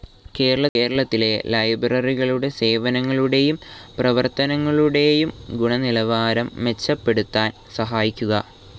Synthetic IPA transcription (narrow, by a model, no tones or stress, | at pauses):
ke̞ːɾɐɭɐe̞ːɾɐɭɐt̪ːile̞lɐjbrɐriɣɐɭuɽe̞se̞ːʋɐnɐŋːɐɭuɽe̞jumprɐʋɐrt̪ɐnɐŋːɐɭuɽe̞jumɡuɳɐnilɐʋaːɾɐmːe̞t͡ɕːɐpːe̞ɽut̪ːaːn | sɐɦaːjikʲːuɣɐ